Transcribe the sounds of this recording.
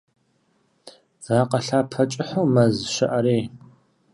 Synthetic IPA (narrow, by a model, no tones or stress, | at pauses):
z̥aːqɐɬaːpʰɐt͡ʃʼɪħoːmɐzʃɐʔɐɾeː